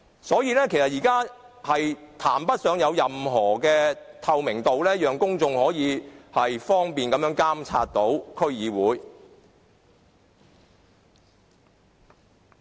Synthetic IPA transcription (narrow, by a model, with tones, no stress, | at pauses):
sɔː˨˥jiː˨˧˥lɛː˥kʰe˨˩sɐ˨t̚jiː˨˩kaː˥ | hɐ˨jt̪ʰaː˨˩mpɐ˥t̚sœː˨˧ŋjɐ˨˧wjɐ˨mɦɔː˨˩kɛː˧t̪ʰɐ˨˧wmɪ˨˩ŋt̪o˨wlɛː˥jœː˨ŋkʊ˥ŋt͡sʊ˨ŋhɔː˨˥jiː˨˧hɐ˨jfɔː˥ŋpiː˨nkɐ˨˧mjœː˨˥ŋkaː˥mt͡sʰa̰ː˧t̚t̪o˨˥wkʰɵ˥ɥjiː˨˧wuː˨˥j